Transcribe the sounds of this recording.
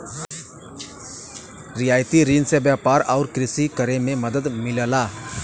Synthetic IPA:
ɾɪjaːjt̪iɾiːnsebjaːpaːɾɔːɾkɾɪsikəɾemẽmɐd̪əd̪mɪləlaː

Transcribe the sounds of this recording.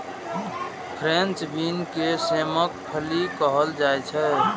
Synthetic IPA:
pʰɾẽnt͡ʃbinkeseməkpʰəlikəɦəld͡ʒaɛt͡ʃʰɛ

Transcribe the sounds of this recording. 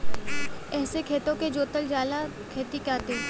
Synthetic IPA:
ɛːsekʰeːt̪õked͡ʒoːt̪əld͡ʒaːla | kʰeːt̪ikaːt̪e

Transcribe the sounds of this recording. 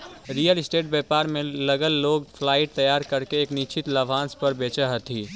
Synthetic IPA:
ɾijəlɪsʈeːʈ̚beːpaːɾmẽləɡəlloːɡfʰlaːɪʈ̚t̪ɐjaːɾkɐɾkeeːknit͡ʃʰɪt̪lɐʋʱãːnspəɾbeːt͡ʃəɦət̪ʰiː

